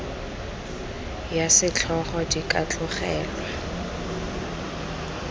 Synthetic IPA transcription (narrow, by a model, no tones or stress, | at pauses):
jasɪt͡ɬʰɔχɔdikʼat͡ɬʼʊχɛːlwa